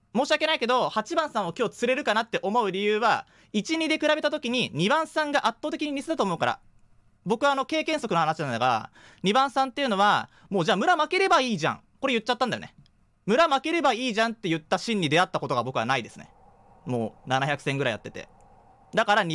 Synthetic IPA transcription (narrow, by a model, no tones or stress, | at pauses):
moːɕiake̞naike̞d̪o̞hat͡ɕibãɰ̃sãɰ̃o̞kʲo̞ːt͡sɨɾe̞ɾɯ̟kanat̪ːe̞ʔo̞mo̞ɯ̟ɾʲijɯːβa | it͡ɕiɲ̟id̪e̞kɯ̟ɾabe̞t̪at̪̬o̞kʲiɲ̟iɲ̟ibãɰ̃sãŋɡaʔat̪ːo̞ːt̪ekʲiɲ̟iɲ̟isɨd̪at̪oːmoɯ̟kaɾa̰ | bo̞kɯ̟βaːno̞ke̞ːkẽ̞ɰ̃so̞kɯ̟no̞hanaɕinãnaɡaɾa̰ | ɲ̟ibãɰ̃sãnt̪ːe̞jɯ̟no̞βa | mo̞ːd͡ʑaːmɯ̟ɾamake̞ɾe̞baiːʑã̰ŋ | ko̞ɾe̞jɯ̟tt͡ɕːat̪ːãnd̪ajo̰ne | mɯ̟ɾamake̞ɾe̞baiːʑãnt̪ːe̞jɯ̟t̪ːaɕĩɲ̟ːid̪e̞at̪ːako̞t̪o̞ɡabo̞kɯ̟βa̰naid̪e̞sɨne̞̰ | mo̞̰ːnanaçʲakɯ̟sẽ̞ŋɡɯ̟ɾaija̰t̪ːe̞t̪e̞̰ | d̪akaɾa